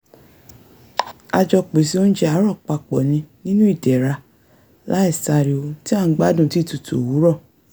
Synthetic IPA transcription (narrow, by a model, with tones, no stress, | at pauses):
a˧d͡ʒɔ˧k͡pe˨si˧˦o˦ñ̩˦d͡ʒɛ˦a˨˦ɾɔ˦˨k͡pa˧k͡pɔ˨nĩ˧nĩ˦nũ˦i˦˨dɛ˨ɾa˧ | la˨˦ɛ˦˨sa˧˨ɾi˨o˧ti˦a˦˨˦ɡ͡ba˦dũ˨ti˦tu˨tṵ˨wu˨˦ɾɔ˦˨